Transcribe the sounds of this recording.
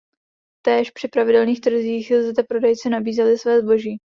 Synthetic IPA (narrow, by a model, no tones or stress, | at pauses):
t̪ɛːʃpr̥ɪpɾavɪdɛlniːxt̪r̩ziːxzd̪ɛpɾodɛjt͡sɪnabiːzɛlɪsvɛːzbo̞ʒiː